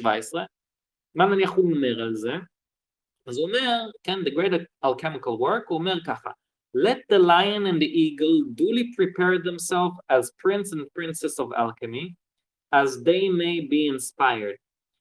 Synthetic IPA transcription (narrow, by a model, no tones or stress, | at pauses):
vaɪsə | manənɪaχudn̩mɛʁəlzə | azomɛʁkɛndəɡɾeɪɾəalˠkʰɛmɪkəlˠwɜɹkomɛʁkaχa̰ | lɛt̚dəlaɪənɪ̃ndɪʔiːɡl̩ˠdulˠipɾipʰɛɹdɛmsɛlˠfazpʰɹɪ̃nsɛnpɹɪnsɛsɔva̰lˠkəmi | azdeɪmeɪbiːɪnspaɪəɹd̥̚